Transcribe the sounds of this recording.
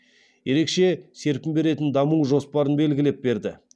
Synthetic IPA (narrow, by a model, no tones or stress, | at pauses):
je̞ɾe̞kʃe̞se̞ɾpɪmbe̞ɾe̞t̪ɪnd̪ɑmuwʒo̞spɑɾənbe̞lɡʲɪle̞p̚be̞ɾd̪ɪ̰